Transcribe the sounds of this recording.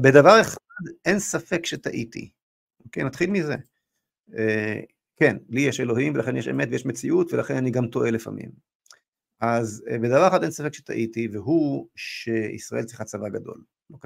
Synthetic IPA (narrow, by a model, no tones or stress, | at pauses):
be̞d̪avaʁeχad̪ʔensafe̞kʃet̪aʔit̪ḭ | ʔokejnat̪χilmizḛ | e | kenlijɛʃelo̞ɦimvelaχenjeʃemet̪vejeʃmet͡siʔutvelaχenaniɡamt̪o̞ʔe̞lefa̰mḭm | ʔazbed̪avaʁeχad̪ensafekʃe̥t̪a̰ʔitiveɦuʃeḭsʁaʔe̞lt͡sʁiχat͡savaɡado̞̰l | lok